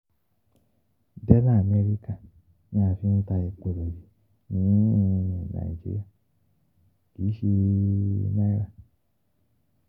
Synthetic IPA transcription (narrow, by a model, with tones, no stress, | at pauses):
dɛ˦na˦˨me˧ɾi˦ka˨ | ɲã˦˨fĩ˦n̩˦ta˧i˨k͡po˨ɾo˨d͡ʒi˨ | nĩ˨˦˧nũ˨na̰˨i˨d͡ʒḭ˦ɾḭ˦a˦˨ | ki˨˦ʃi˧˦ | ma˦jɾa˨